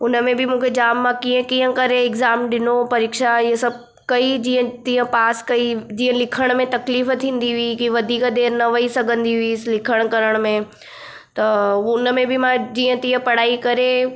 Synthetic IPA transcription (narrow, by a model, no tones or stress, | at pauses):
ʊnəmẽbʱɪmũːkʰed͡ʑaːmːãkiə̃kĩːə̃kɐɾeɪɡzaːmɗɪnopɐɾɪːkʃaɪɦəsɐb̚ʱ | kɐid͡ʑiːə̃t̪ĩːə̃paːskɐid͡ʑiːə̃lɪkʰəɽ̃mẽt̪ɐkliːft̪ʰĩːnd̪iɦʊikiʋɐd̪ʱiːkd̪eːɾnɐʋɐisɐɡʱə̃nd̪iɦʊislɪkʰəɽ̃kɐɾəɽ̃mẽ | t̪ɐʊnəmẽbʱɪmãd͡ʑiːə̃t̪ĩːə̃pɐɽ̤aːikɐɾe